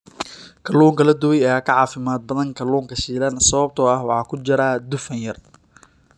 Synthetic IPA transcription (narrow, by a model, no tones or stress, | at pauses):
kʰɐluːŋkʰɐlɐd̪ʊwɛjɛaːkʰɐʕɑːfɪmaːd̪̚bɐðɐŋkʰɐluːŋkʰɐʃiːlɐnsɐβɐb̚t̪ʰɔːɐhwɑħɑːkʰʊd͡ʒɪɾaːd̪ʊfɐnjɐr